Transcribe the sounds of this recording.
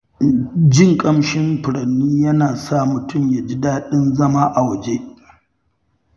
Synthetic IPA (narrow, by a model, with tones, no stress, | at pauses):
d͡ʒɪ˦ŋkʼɐ˦mʃɪ˦mɸɪ˨ɽɐ˨nːiː˦jɐ˦naː˨sa˦˨mʊ˨tʊ˦˨mja˨d͡ʒi˦daː˦ɗɪ˦nzɐ˦ma˦ʔa˨wɐ˨d͡ʒe˦ʔ